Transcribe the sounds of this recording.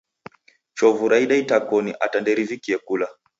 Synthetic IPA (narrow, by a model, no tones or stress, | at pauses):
t͡ʃɔvuɾaiɗaitakɔniʔatandɛɾivikiɛkula